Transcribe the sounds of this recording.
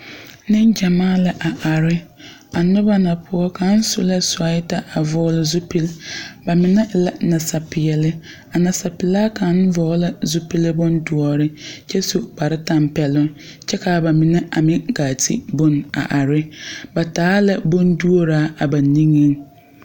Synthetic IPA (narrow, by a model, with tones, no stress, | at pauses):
nɪ˦n˦d͡ʒa˨maː˦la˨ʔa˨ʔa˨ɾɪ˦ | a˨nʊ˦ba˦na˨pʰʊ˦ɔ˦ka˨˦n˦sʊ˦la˦sʊ˨a˨˦ɪ˦ta˦ʔa˨vɔ˦lɪ˦zʊ˦pi˦lba˨mɪ˨nɛ˦la˦na˨sa˨pɪ˨ɛ˨lɪ˦ | a˨na˨sa˨pɪ˨laː˦ka˨˦n˦vɔː˨˦la˦zʊ˦pi˦lɪ˦bʊ˦ndʊ˨ɔ˨ɾɪ˦t͡ʃɛ˦su˨ba˨ɾɪ˦ta˦mpɛ˨lʊ˦ŋ | t͡ʃɛ˦ka˨ba˨mɪ˨nɛ˦ʔa˨mɪ˦ɡaː˨tʰḭ˦bʊ˦na̰˨ʔa˨ɾɪ˦ba˨taː˨˦la˦bʊ˦ndu˦o˦ɾaː˦a˨ba˨ni˦ŋi˦ŋ